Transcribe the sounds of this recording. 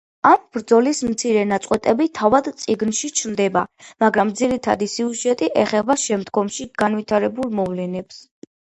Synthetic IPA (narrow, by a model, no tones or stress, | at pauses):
ambɾd̪zɔlismt̪sʰiɾɛnat̪sʼqʼwɛt̪ʼɛbit̪ʰavad̪t̪sʼiɡnʃit͡ʃʰnd̪ɛbamaɡɾamd̪ziɾit̪ʰa̰d̪isiuʒɛt̪ʼiʔɛχɛbaʃɛmd̪ɡɔmʃiɡ̥anvit̪ʰaɾɛbulˠmɔvlɛnɛps